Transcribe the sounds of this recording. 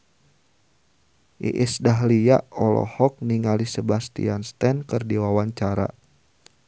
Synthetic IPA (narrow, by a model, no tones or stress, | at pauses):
ʔḭʔɪsdaɦliaʔɔlɔ̰hɔk̚niŋalisəbast̪ḭanst̪ɛnkɨrdiwawaɲt͡ʃaɾa̰